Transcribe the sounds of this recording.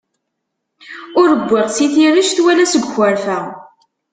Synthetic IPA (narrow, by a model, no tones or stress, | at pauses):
ʊɾəbʷːɪʁsiθiɾəʃθwælæsəɡʷxəɾfæ